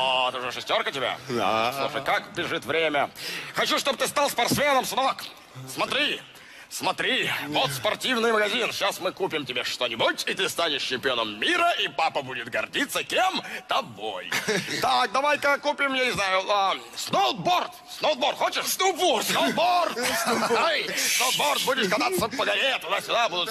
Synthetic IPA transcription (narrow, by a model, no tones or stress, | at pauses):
ot̪ɨuʐəʂɨsʲtʲo̞rkətʲɪbʲa̰sˠuʂəjkakbʲɪʐɨt̪vɾʲemʲəxɐt͡ɕuʂt̪obəɨt̪ɨst̪alˠspɐrt̪smʲenəmsnok | smɐt̪ɾʲi | smɐt̪ɾʲivot̪spɐrtʲivnɨjməɡɐzʲinɕasmɨkupʲɪmtʲɪbʲeʂt̪onʲɪbutʲit̪ɨst̪anʲɪʂɕɪmʲpʲɪo̞nəmːʲiɾəʔipapəbudʲɪt̪ɡɐrdʲit̪sːəkʲemt̪ɐbo̰jt̪ak̚d̪ɐvajkɐkupʲɪmjanʲɪznajʊa | snol̚ˠbort̪snolˠd̪bort̪xot͡ɕɪʂst̪upbosnolˠbort̪ejsnolˠt̪̚bort̪̚budʲɪʂkɐd̪at̪sːəpəɡɐlʲet̪ʊd̪asʲʊd̪abud̪ʊt̪